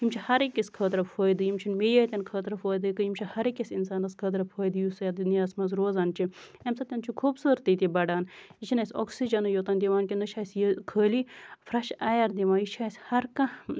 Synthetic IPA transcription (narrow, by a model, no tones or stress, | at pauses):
ɦimt͡ʃʰihɐɾekʲːiskʰəːt̪ɾɐpfʰoːjd̪ɨjimt͡ʃʰunmejaːt̪ʲɐnkʰəːt̪ɾɐfoːjd̪ɨkɨimt͡ʃʰihɐɾekisinsaːnɐskʰɐːt̪ɾɐpʰɐːjd̪ɨjusɐjɐd̪inaːsmɐzɾoːzant͡ʃʰi | ɐmsɐt̪ʲɐnt͡ʃʰukʰoːbsəːɾt̪it̪ʲibɐɖaːnit͡ʃʰinɐsoksid͡ʒɐnɨjot̪ɐnd̪ʲiʋaːnkʲind̪ɨʃʰaːjsjikʰəːlifɾɐʃaːjɐɾd̪ʲiʋaːnjiʃʰaːjsʲhɐɾkɐ̃